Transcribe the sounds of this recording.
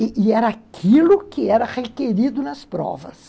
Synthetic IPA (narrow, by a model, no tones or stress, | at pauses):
ɪʔɪɛɾɐakʰilʊkɪɛɾɐʁekeɾid̪ʊnɐspɾɔ̰vɐs